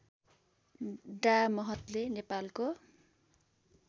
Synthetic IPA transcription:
ɖamʌɦʌt̪lenepalko

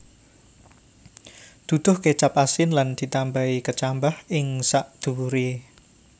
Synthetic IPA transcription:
d̪̥ṳd̪̥ʊ̤hket͡ʃapasɪnland̪̥i̤t̪ambaikət͡ʃambahɪŋsaʔd̪̥uuɾe

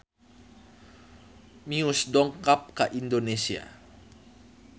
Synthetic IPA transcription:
miusdɔŋkap̚kaʔindonesia̰

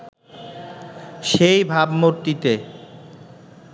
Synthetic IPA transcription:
ʃejbʱabmoɾt̪it̪e

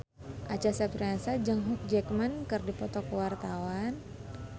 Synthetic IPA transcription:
ʔat͡ʃasapɾansad͡ʒəŋɦuk̚d͡ʒɛkmankɨrdipɔt̪ɔkəwart̪awan

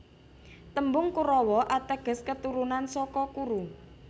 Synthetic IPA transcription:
t̪əmbʊŋkuɾɔwɔʔat̪aɡ̥ə̤skət̪uɾunansɔkɔkuɾu

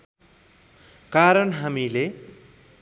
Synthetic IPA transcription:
kaɾʌnɦamile

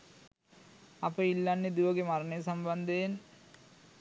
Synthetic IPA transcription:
apəilːanːed̪uʋɐɡemaɾɐnəjsɐmband̪ejen

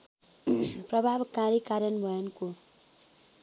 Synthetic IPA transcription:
prʌbʱabkaɾikaɾjʌnbʱʌjʌnko

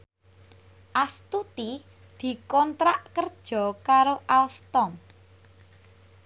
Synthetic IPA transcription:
ʔast̪ut̪i | d̪̥i̤kɔnt̪ɾaʔkərd̥ʒ̥ɔ̤kaɾoʔalst̪ɔm

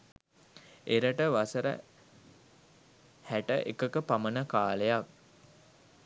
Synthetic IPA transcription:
eɾəʈəʋasəɾə̰ | hæʈə̰ʔekəkəpamənəkaːlejak

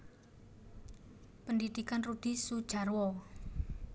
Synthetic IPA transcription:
pəndid̪̥i̤kanrud̪̥i̤sud̥ʒ̥a̤rwɔ

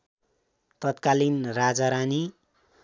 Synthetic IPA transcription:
t̪ʌt̪kalinrad͡zaɾani

